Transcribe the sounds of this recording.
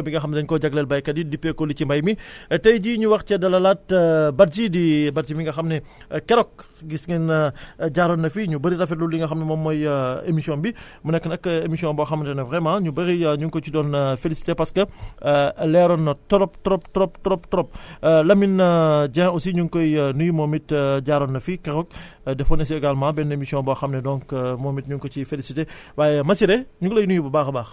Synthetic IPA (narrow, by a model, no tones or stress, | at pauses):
biŋɡɐxɐmdɐɲkɔɟɐɡlɛlbɐjkɐdidipːekɔlicimbɐjmitɐjɟiɲuwɐxcɐdɐlɐlatbɐt̚d͡ʒidibɐt̚d͡ʒimiŋɡɐxɐmnɛ | kɛɾɔk̚ | ɡisŋinɟaɾɔnːɐfiɲubəɾiɾɐfɛtlulːiŋɡɐxɐmnɐmɔmːɔjḛmisiɔ̃nbimunɛkːənɐkːemisijɔ̃nbɔxɐmːtɛnɐvʁɛmãɲubɐɣiɲuŋkɔt͡ʃudɔnfelisi̥tepɐskɐ | lɛɾɔnɐtɔɾɔptɔɾɔptɔɾɔptɔɾɔp̚tɔɾɔp̚lɐminɐd͡ʒɛ̃ːɔsiɲuŋkɔjnujumɔːmitɟaɾɔnːɐfikɛxɔk̚ | dɛfɔnɐs̬iɐɡalmãbɛnemisijɔ̃nbɔxɐmnɛdɔŋkmɔmitɲuŋkɔt͡ʃifelisite | waːjɛmɐsiɾɛɲuklɐjnujubɐbaːxɐbaːx